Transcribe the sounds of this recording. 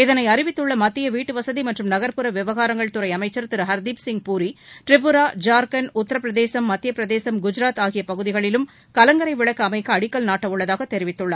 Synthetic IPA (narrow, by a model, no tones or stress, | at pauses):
ɪðɐnɐɪɐɾɪʋɪt̪ːɯɭːɐmɐt̪ːɪjɐʋiːʈːɯʋɐsɐðimɐʈrɯmnɐɣɐɾpɯɾɐʋɪʋɐɣaːɾɐŋɡɐɭt̪ʊɾɐɪɐmɐɪt͡ʃːɐɾt̪ɪɾɯɦɐɾd̪iːpsɪŋɡ̚puːɾiʈɾɪp̬ːɯɾaːd͡ʒaːɾkɐnʊt̪ːɐɾɐpːɾɐðeːsɐmːɐt̪ːɪjɐpːɾɐðeːsɐmɡʊd͡ʒɪɾaːt̪aːɣɪjɐpɐɣɯðɪɣɐɭɪlɯm | kɐlɐŋɡɐɾɐɪʋɪɭɐkːɯɐmɐɪkːɐɐɽɪkːɐlnaːʈːɐʋɯɭːɐðaːɣɐt̪ɛɾɪʋɪt̪ːɯɭːɐ